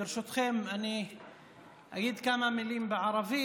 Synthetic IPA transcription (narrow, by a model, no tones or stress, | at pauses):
ɾʃut̪χemʔani | ʔaɡiːd̪kamamɪliːmbeʕɑɾˤɑviː